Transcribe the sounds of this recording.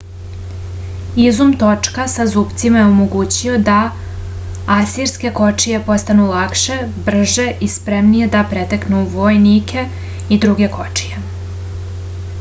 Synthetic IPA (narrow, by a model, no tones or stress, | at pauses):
izumt̪o̞t͡ʂkasazuːpt̪simajeomo̞ɡuːt͡ɕio̞d̪a | asiɾske̞ko̞t͡ʂije̞po̞st̪anulˠakʃe̞br̩ʒe̞ʔispɾe̞mnije̞d̪apɾet̪aknuʋojnikʰe̞ | id̪ɾuɡe̞kʰo̞t͡ʂije